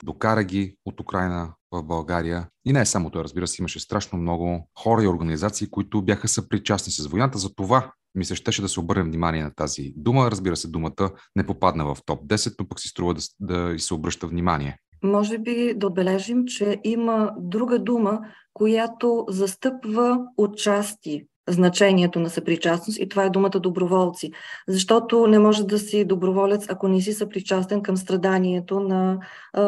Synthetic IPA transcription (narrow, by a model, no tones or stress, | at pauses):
d̪okaɾəɡ̟ʲiot̪ukɾajnəvəvbɐlˠɡaɾijəinɛsamot̪ovaɾəzbiɾəsɛiməʃɛst̪ɾaʃnomnɔɡʊxɔɾəioɾɡənizat̪siːkoit̪ʊbʲjaxəsəpɾit͡ʃasnisɐsvojnat̪əzɐt̪ova | misɛʃt̪ɛʃɛd̪ɐsɛobɤɾnɛvnimaniɛnɐt̪azḭd̪uməɾəzbiɾəsɛd̪umət̪ənɛpopad̪nəvɐft̪ɔp̚d̪ɛsɛt̪̚nopəksi̥st̪ɾuvəd̪d̪ɐisɛobɾɤʃt̪əvnima̰nʲiɛ | mɔʒɛbid̪ɐod̪̚bɛlɛʒimt͡ʃɛʔiməd̪ɾuɡəd̪umə | kojat̪ozɐst̪ɤpvəot͡ʃast̪i | znɐt͡ʃɛniɛt̪onɐsɐpɾit͡ʃasnost̪it̪ovaɛd̪umət̪əd̪obɾovɔlˠt̪sizɐʃt̪ɔt̪onɛmɔʒɛd̪ɐsid̪obɾovɔlʲət̪sɐkonɛs̬isəpɾit͡ʃast̪ɛnkəmst̪ɾɐd̪aniɛt̪onɐ